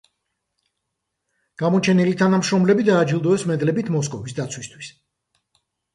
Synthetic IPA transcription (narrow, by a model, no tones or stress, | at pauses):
ɡ̥amɔt͡ʃʰɛnilit̪ʰanamʃɾɔmlɛbid̪aːd͡ʒilˠd̪ɔɛsmɛd̪lɛbit̪ʰmɔs̬kʼɔvisd̪at̪sʰwist̪ʰwis